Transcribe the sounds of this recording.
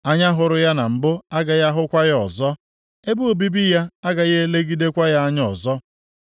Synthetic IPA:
a˦ɲa˦ɦʊ˨ɾʊ˨ja˦na˨m̩˨bʊ˦a˦ɡa˨ja˦ɦʊ˦kʷa˦jɔ˨zɔ˦ | e˦bu˦o˨bi˦bi˦ja˦a˦ɡa˨je˦e˦le˦ɡi˦de˦kʷa˦ja˦a˦ɲ˦ɔ˨zɔ˦

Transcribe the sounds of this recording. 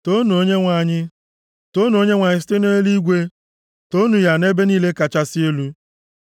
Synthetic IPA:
to˦nu˨o˦ɲe˦ŋʷa˨ɲɪ˦ | to˦nu˨o˦ɲe˦ŋʷa˨ɲɪ˦s̬te˦no˦e˦li˦ɡʷe˦ | to˦nu˨ja˨ne˦be˦niː˦le˦ka˨t͡ʃa˦sɪ˦e˦lu˦

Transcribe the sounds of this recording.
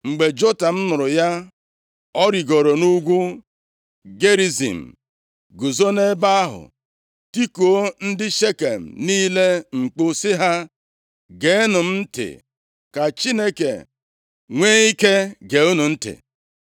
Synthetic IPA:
ŋ͡m̩˨ɡ͡be˨d͡ʒo˦ta˨m̩˦nʊ˨ɾʊ˨ja˦ | ɔ˦ɾi˨ɡo˨ɾo˨nu˦ɡʷu˦ | ɡe˦ɾi˨zḭ˨m̩˨ | ɡu˨zo˦ne˦ba˦a˦ɦʊ̰˨ | ti˦ko˨o˦n̩˦dɪ˦ʃe˦ke˨m̩˨niː˦le˦ŋ͡m̩˨k͡po˦sɪ˦ɦa˦ | ɡe˨˦nʊ˨m̩˦n̩˦tɪ̰˨ | ka˨t͡ʃi˦ne˦kḛ˨ | ŋʷeː˦i˦ke˦ɡe˨u˦nu˨n̩˦tɪ̰˨

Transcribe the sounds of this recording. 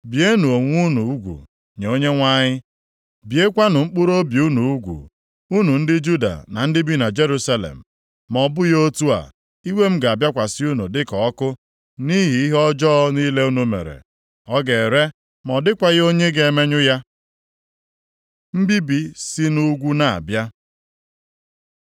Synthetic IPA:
bje˦nu˨o˨ŋʷ˦u˦nṵ˨u˦ɡʷṵ˨ | ɲe˨o˦ɲe˦ŋʷa˦ɲɪ˦ | bje˦kʷa˦nʊ˨ŋ͡m̩˦k͡pu˦ɾo˦bi˨u˦nu˨u˦ɡʷṵ˨ | u˦nu˨n̩˦dɪ˦d͡ʒu˦da̰˨na̰˨n̩˦dɪ˦bi˦na˨d͡ʒe˦ɾu˦sa˦lḛ˨m̩˨ | mɔ˨bʊ˦jo˦tu˦a̰˨ | i˦we˦m̩˦ɡa˨a˨bja˦kʷa˨sɪ˦u˦nṵ˨dɪ˦kɔ˨ɔ˦kʊ˦ | ni˦ɦi˨i˦ɦɔ˦d͡ʒɔ˦ni˦le˦u˦nu˨mḛ˨ɾḛ˨ | ɔ˦ɡe˨ɾe˦ | mɔ˨dɪ˦kʷa˨ɣo˦ɲe˦ɡe˨e˨me˦ɲʊ˦ja˦ | m̩˦bi˦bi˦si˦nu˦ɡʷu˦na˨a̰˨bja˦

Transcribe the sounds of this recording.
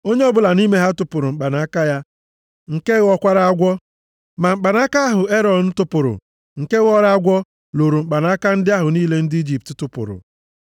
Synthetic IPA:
o˦ɲe˦ɔ˦bʊ˨la˨ni˦me˦ɦa˦tʊ˦pʊ˨ɾʊ˨ŋ͡m̩˨k͡pa˨na˨˦ka˦ja˦ | ŋ̩˨ke˦ɣɔ˦kʷa˦ɾa˦a˦ɡʷɔ˦ | ma˨m̩˨k͡pa˨na˦ka˦a˦ɦʊ˨e˦ɾɔ˨n̩˦tʊ˦pʊ˨ɾʊ̰˨ | ŋ̩˨ke˦ɣɔ˦ɾa˦a˦ɡʷɔ˦ | lo˨ɾu˨ŋ͡m̩˨k͡pa˨na˨˦ka˦n̩˦dɪ˦a˦ɦʊ˨niː˦le˦n̩˦di˦d͡ʒi˨p̚tɪ˨tʊ˦pʊ̰˨ɾʊ̰˨

